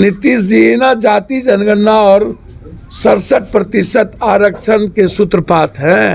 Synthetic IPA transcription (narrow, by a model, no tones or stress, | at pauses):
nɪt̪isinad͡ʒaːt̪id͡ʒɐnɡənːaɔːɾ | sɐɾsəʈ̚pɾɐt̪ɪʃət̪aːɾəkʃənkesʊt̪ɾəpaːt̪ɦɛ̃